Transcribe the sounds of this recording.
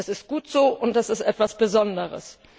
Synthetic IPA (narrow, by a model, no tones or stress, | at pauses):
ɛsɪst̚ɡ̥uːtz̥oːʔʊnt̚d̥asɪstʔɛtv̥asb̥əzɔndəʁə̰s